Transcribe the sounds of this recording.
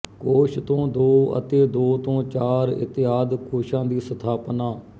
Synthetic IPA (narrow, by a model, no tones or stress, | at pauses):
koːʃt̪õːd̪oːə̰t̪eːd̪oːt̪õːt͡ʃaːɾɪ̰t̪ɪaːd̪koːʃãːd̪iːsət̪ʰaːpnaː